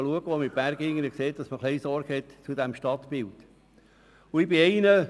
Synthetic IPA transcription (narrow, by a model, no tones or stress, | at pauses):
luəɡ̥əomɪb̥æɾɡɪŋːənəkseːt̚d̥ɑsməχlɛɪsɔɾɡ̥hɛtt͡sudæmʃtɑtb̥ɪlt | ʊɪbɪɛɪnə